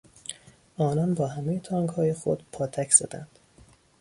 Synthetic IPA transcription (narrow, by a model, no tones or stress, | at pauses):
ʔɒːnɒnbɒːhæmejet̪ʰɒːŋɡhɒːje̞xod̪̥pʰɒːt̪ʰæcʰz̥æd̪æ̰nd̪̥